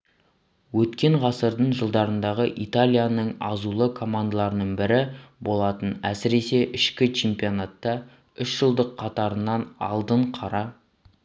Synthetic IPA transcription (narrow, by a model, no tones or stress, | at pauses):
wɵt̪kʲe̞ɴʁɑsəɾd̪əɴʒəlˠd̪ɑɾənd̪ɑʁəʔit̪alʲijanəɴɑzulˠəkʰo̞mand̪alˠɑɾənəɴbɪɾɪbo̞lˠɑt̪ənæsɪɾe̞se̞ʔɪʃkʲɪt͡ʃʰempijo̞nat̪ːɑ | ʏʃʒ̥əlˠd̪əqʰːɑt̪ɑɾənːɑnɑ̰lˠd̪əɴqʰɑɾɑ